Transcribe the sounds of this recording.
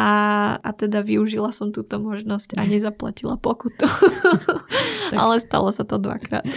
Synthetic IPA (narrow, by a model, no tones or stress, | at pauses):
ʔaat̪ɛd̪aʋiuʒilasɔmt̪uːt̪ɔmɔʒnɔscaɲɛzapla̰cilapɔkut̪u | ʔa̰lɛst̪a̰lɔsat̪ɔd̪ʋa̰kɾa̰ːt̪